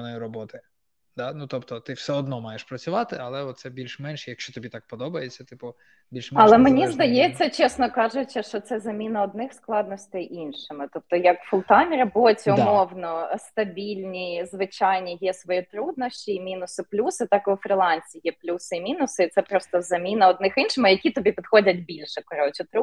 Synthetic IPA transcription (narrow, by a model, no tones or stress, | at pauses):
nɔjiɾɔbɔt̪ɪ | d̪anut̪ɔpt̪ɔt̪ɪwsɛɔd̪nɔmɑjeʃpɾɐt͡sʲʊʋɑt̪ɪɐlˠɛɔt̪sɛbʲilʲʃmɛnʲʃɛjɐkʃt͡ʃɔt̪ɔbʲit̪ɑk̚pɔd̪ɔbɐjet͡sʲːɐt̪ɪpʊ | bʲilʲʃɐlˠɛmenʲizd̪ɐjɛt͡sʲːɐt͡ʃɛsnɔkɑʒʊt͡ʃʲːɐʃt͡ʃɔt̪sɛzɐmʲinɐɔd̪nɪxsklˠɑd̪nɔsʲt̪ɪjʔinʃɪmɪt̪ɔp̚t̪ɔjɐkfʊlˠt̪ɑnʲiɾɐbotʲiʊmɔwnɔst̪ɐbʲilʲnʲizʋɪt͡ʃajnʲijɛsʋɔjit̪ɾud̪nɔsʲt͡ʃʲiːmʲinʊsɪplʲusɪt̪ɑkɪwfɾʲɪlˠɑnʲsʲijɛplʲusɪimʲinʊsɪit̪sɛpɾɔst̪ɔzɐmʲinɐɔd̪nɪxinʃɪmɪjɐkʲit̪ɔbʲipʲid̪xɔdʲɐtʲbʲilʲʃɛkɔɾɔt͡ʃɪt̪ɾu